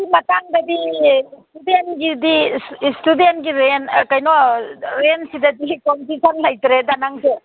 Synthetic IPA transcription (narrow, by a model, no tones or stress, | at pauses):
imɐtaŋd̪ɐbistudenɡidistudentɡiɾenkɐjnoɾensid̪ɐd̪ikonsisʰɐnlajt̪ɾed̪anaŋse